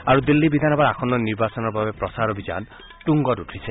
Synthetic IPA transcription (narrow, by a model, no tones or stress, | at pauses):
aɹud̪ilːibid̪ʱanɔbaɹakʰɔnːɔniɹbasɔnɔɹbabɛpɹɔsaɹɔbiza̰n | ʈuŋɡɔtutʰɹisʰɛ